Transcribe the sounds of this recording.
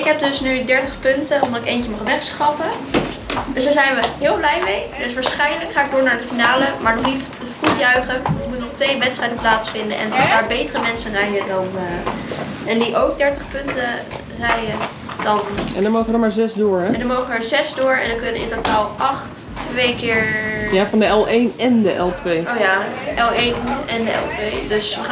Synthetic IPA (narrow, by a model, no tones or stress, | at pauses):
ɪkɦɛb̚dɵsnydɛɹtəχpɵntənɔmdɑtɪkejncəmɑχʋɛχsχɑpə | dɵsdaːɹzɛjnʋəɦɪːlˠblɛjmejdɵs̬ʋaːɹsχɛjnələkχaːɪk̚doːɹnaːɹətfinaːləmaːɹnɔχnit | fruχjœɥχəʋɑntəmutənɔχtʋejʋɛtstrɛjdənplaːtsfɪndə̰nʔɛ̰nɑ̰lˠdaːɹbejtərəmɛnsənrɛjədɑn | ɛndiʔowɡ̚dɛɹtəχpɵntə | rɛjə | dɑnɛ̰ndɔnmoːχəʋədɔmaːɹzɛzdʊːɹɛɛndɑnmowχəʋəzɛzdʊːɹɛ̰ndɑnkɵnəɪ̰ntotaːlˠʔɑχt | ʋejkɪːɹjafɑndəɛlˠʔejnɛndəʔɛ̰lˠtʋejoːjaʔɛlˠejnɛndəɛ̰lˠtʋejdøs